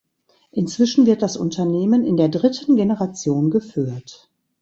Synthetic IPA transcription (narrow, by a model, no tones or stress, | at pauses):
ʔɪnt͡sv̥ɪʃn̩vɪɐt̚d̥asʔʊ̰ntʰɐneːmənɪndeːɐdʁɪtʰən̩ɡenəʁat͡sjoːnɡəfyːɐt